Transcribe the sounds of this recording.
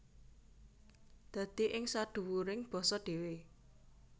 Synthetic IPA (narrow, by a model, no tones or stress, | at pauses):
d̪̥ä̤d̪̥iʔɪŋsaɖ̪̥ṳwuɾɪŋb̥ɔ̤sɔɖ̪̥e̤we